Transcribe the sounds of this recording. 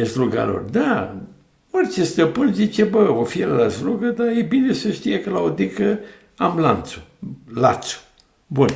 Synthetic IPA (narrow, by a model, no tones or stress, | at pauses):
esluɡa̰lo̰rd̪a | orʲt͡ʃe̞st̪əpɨnzit͡ʃe̞bəofielalasluɡəd̪aje̞bine̞səʃt̪ijekəlaod̪ikə | amlant̪su̥la̰t̪su̥ | bun